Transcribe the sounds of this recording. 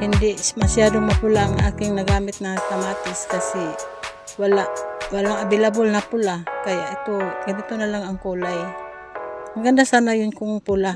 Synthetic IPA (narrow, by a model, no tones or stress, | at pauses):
hɪnd̪ɪmɐsjad̪oŋmɐpʊlaʔaŋʔa̰ːkɪŋnɐɡaːmɪt̪̚nɐŋt̪ɐmaːt̪ɪskasi | walaʔwalaŋɐbɪlabʊlnɐpʊlakɐjaʔɪt̪oɡɐnit̪onalaŋɐŋkoːlaj | ʔɐŋɡand̪asaːnajʊnkʊŋpula